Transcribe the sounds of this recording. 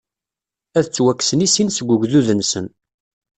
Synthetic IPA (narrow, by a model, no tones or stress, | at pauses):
æðət͡sːwækːsənisinsəɡʷːəʝðuðənsən